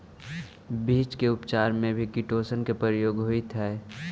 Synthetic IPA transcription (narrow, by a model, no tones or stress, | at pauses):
bʱiːt͡ʃkeʊpt͡ʃaːɾmẽbʱikiʈoːsənkepəɾjoːɡɦʊit̪ʰɛː